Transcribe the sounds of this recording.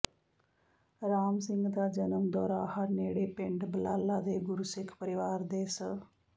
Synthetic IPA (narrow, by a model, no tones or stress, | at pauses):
ɾaːmsɪ̃ŋɡd̪aːd͡ʒənəmd̪ɔːɾaːhəɾneːɽeːpɪ̃ɳɖbəlaːlːaːd̪eːɡʊɾusɪkʰpəɾɪʋaːɾd̪eːsə